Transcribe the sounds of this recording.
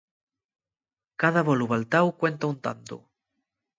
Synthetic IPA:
kaðaβoluβalt̪awkwent̪aunt̪a̰nt̪ṵ

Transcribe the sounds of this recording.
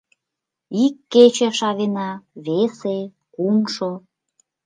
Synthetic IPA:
ikːet͡ɕeʃɑβenɑβese | kumʃo

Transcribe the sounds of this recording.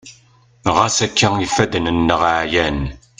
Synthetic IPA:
ʁasækːæifːæd̪nənːəʁʕjæn

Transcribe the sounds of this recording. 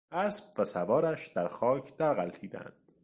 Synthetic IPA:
ʔæsb̥væsævɒːɾæʃd̪̥æɾxɒːcʰd̪̥æɾɣælt̪ʰiːd̪æ̰nd̪̥

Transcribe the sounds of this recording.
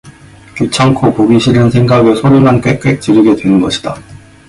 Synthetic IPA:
kjut͡ɕʰʌŋkʰopoɡiɕʰiɾɯnsʰe̞ŋɡaɡɯsʰonimank͈ek͈ek̚t͡ɕ͈iɾɯɡe̞dwe̞nɯnɡʌɕʰi̥d̥a

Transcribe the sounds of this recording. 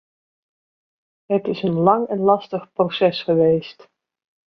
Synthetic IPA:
ɦətɪsənlɑŋɛnlɑstəχprosɛsχəʋejst

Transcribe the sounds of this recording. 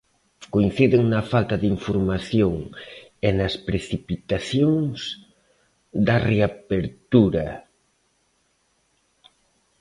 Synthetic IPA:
koin̟θiðɪŋnɐfalt̪ɐðiɱfoɾmaθjoŋenɐspɾeθipit̪aθjoŋs | d̪ɐreapeɾt̪uɾɐ

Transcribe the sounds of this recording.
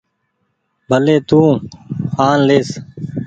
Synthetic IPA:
bʱəleːt̪ũː | aːnleːs

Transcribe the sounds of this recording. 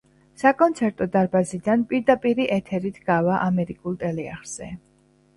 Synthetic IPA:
sakʼɔnt̪sʰɛɾt̪ʼɔd̪aɾbazid̪anpʼiɾd̪apʼiɾiʔɛt̪ʰɛɾit̪ʰɡ̥avaʔamɛɾikʼulˠt̪ʼɛlɛa̰χɾz̥ɛ̰

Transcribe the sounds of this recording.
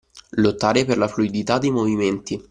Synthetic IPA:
lot̪ːaːɾeperlafluid̪it̪ad̪ːejmoviment̪i

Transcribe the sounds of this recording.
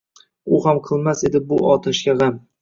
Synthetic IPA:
ʊhamqʰɨlˠmase̞d̪ɪbʊɒt̪ʰaʃkʲaʁam

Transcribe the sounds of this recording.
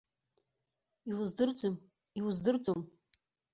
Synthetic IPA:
iwuzdɨrd͡zʷɨm | iwuzdɨrd͡zom

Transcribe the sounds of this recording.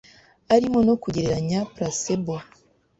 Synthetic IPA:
aɾimono̞kuɟeɾeɾaɲapɾasebo

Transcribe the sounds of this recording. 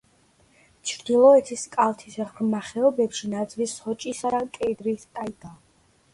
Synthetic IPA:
t͡ʃʰɾd̪ilˠɔɛt̪ʰiskʼalt̪ʰisɛχɾmaχɛɔbɛpʃinad̪zʼlishɔt͡ʃʼisad̪akʼɛd̪ɾist̪ʼaid̪a

